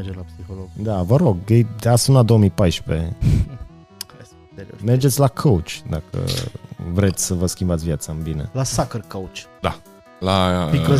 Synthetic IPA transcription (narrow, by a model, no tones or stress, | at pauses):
d͡ʒelapsiholoɡd̪avəɾo̞ɡjejd̪easunlad̪owəmipajʃpe | ḛmerd͡ʒet̪sʲlakʰowt͡ʃʲd̪akə̰vɾet̪sʲsəvəskʲimbat̪sʲvjat̪saɨmbine̞̰lasakərkowt͡ʃd̪a | labikə